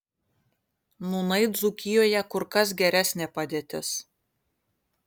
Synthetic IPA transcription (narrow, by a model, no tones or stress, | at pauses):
nunɐɪd̪zukʲɪjoːjɛkʊɾkɐs̬ɡʲɛɾʲæsʲnʲeːpɐd̪ʲeːt̪ʲɪs